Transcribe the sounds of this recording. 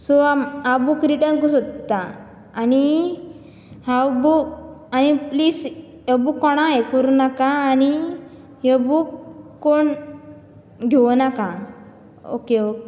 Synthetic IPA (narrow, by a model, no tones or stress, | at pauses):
sɔaabukɾiʈənkusod̪t̪aː | ni | hawbukanipliːs | jəbukːɔɽ̃aekəɾunakaːni | jəbukː | oɳ | ɡʱeʋnakã | o̰keok